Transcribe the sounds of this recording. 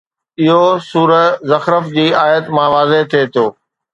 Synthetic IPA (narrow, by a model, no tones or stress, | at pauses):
ɪɦosuːɾəzɐxɾəfd͡ʑiːaːjət̪mãːʋaːzeɦt̪ʰet̪ʰoː